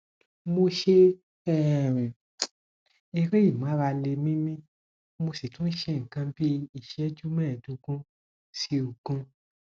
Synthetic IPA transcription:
mo˧ʃe˧ | ɛ˦˨m˨ | e˧ɾe˦i˦˨mã˨˦ɾa˧le˧mĩ˦mĩ˦ | mo˧si˨tũ˦n̩˦ʃe˧ŋ̩˨kã˧bi˦i˦˨ʃɛ˦d͡ʒu˦mɛ̃ː˦˨dũ˨˧ɡũ˦ | si˧u˨ɡ̥ũ˧

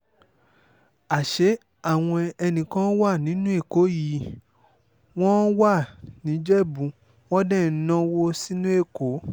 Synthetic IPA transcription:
a˨ʃe˨˦ | a˦˨w̃ɔ̃˧ɛ˧nĩ˨kã˦wa˦˨nĩ˨˦nũ˦e˦˨ko˨˦ji˨˦ | w̃ɔ̃˦wa˦˨nĩ˨˦d͡ʒɛ˦˨bũ˨˦ | w̃ɔ̃˦dɛ̃˦˨˦nã˦˧wo˧si˦nũ˦e˦˨ko˨˦

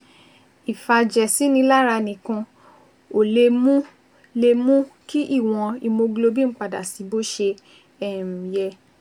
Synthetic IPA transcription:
i˨fa˧d͡ʒɛ˨si˨˦nĩ˧la˦ɾa˧nĩ˨kũ˧ | o˨le˧mũ˦ | le˧mũ˦ki˦ʔi˦˨w̃ɔ̃˧i˧mo˧ɡlo˧bi˦˨n̩˦k͡pa˨da˨si˨˦bo˦ʃe˧ | ɛ˦˨m̩̃˨jɛ˧

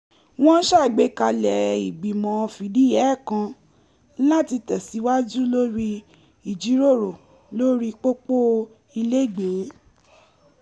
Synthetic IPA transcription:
w̃ɔ̃˦ʃa˦˨ɡ͡be˨˦ka˧lɛ˨i˨ɡ͡bi˨mɔ̃˨˦˧fi˨˦di˨˦jɛ˨˦˨kã˧ | la˦ti˧tɛ˨si˨˦wa˦d͡ʒu˦lo˦ɾi˧ | i˨d͡ʒi˨˦ɾo˦˨ɾo˨ | lo˦ɾi˦k͡po˦k͡po˦ | i˧le˦˨ɡ͡be˨˦

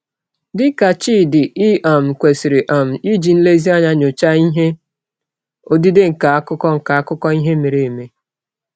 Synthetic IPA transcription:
dɪ˦ka˨t͡ʃiː˦dɪ˨i˦ʔa˨m̩˨kʷe˨si˨ɾe˨ʔa˨m̩˨i˦d͡ʒi˨n̩˦le˦zi˦a˦ɲa˦ɲo˨t͡ʃa˦i˦ɦe˦ | o˦di˦de˦ŋ̩˨ka˨a˦kʊ˦kɔ˦ŋ̩˨ka˨a˦kʊ˦kɔ˦i˦ɦe˦me˨ɾe˨e˨me˦

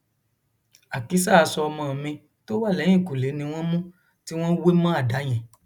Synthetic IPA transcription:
a˨ki˧˦sa˦˨a˧sɔ˧ɔ˧mã˧˨mĩ˧ | to˦wa˦˨lɛ̃˨˦ĩ˦˨ku˨le˨˦nĩ˧w̃ɔ̃˦mũ˦ | ti˦w̃ɔ̃˦we˦mã˦a˦˨da˨˦j̃ɛ̃˨

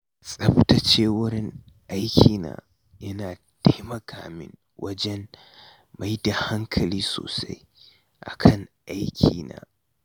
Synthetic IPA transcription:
sʼɐ˦ɸtɐ˨t͡ʃeː˦wɐ˦ɾɪ˦ŋʔa˦jkʲʰiː˨na̰ː˨ | jɐ˦naː˨ | tʰa˦jmɐ˨kʰaː˨mɪ̰˦ŋ | wʔɐ˦d͡ʒɛ˦n | ma˨jda˨ha˦ŋkʰɐ˨liː˦so̰ː˨sa̰˦j | ʔa̰˨kʰɐ˦ŋʔa˦jkʲʰiː˨naː˦

